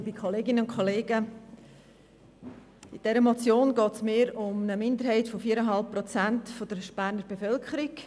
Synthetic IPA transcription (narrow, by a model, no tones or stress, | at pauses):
bikʰoleːɡɪnəʊnkʰoleːɡə | ɪd̥ɛɾəmot͡sjoːnɡɔːtsmeːɾʊmnəmɪndəɾɦɛɪtfofiəɾəɦɑlp̚pːrɔt͡sæntfod̥əɾʃb̥æːɾnəɾbefœlkʰχəɾɪk